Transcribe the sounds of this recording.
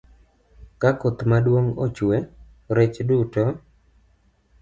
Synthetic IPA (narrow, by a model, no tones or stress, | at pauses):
kakot̪madwoŋot͡ʃwe | ɾet͡ʃduto